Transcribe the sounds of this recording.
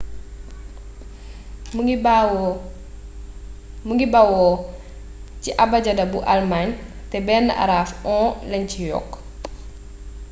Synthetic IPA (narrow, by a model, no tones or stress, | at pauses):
muɡibawɔ | ciʔɐbɐɟɐdɐbuʔalmaɲtɛbɛːnːɐ̰ʔa̰ɾaːfɔ̃ːlɛɲcijɔ̰kː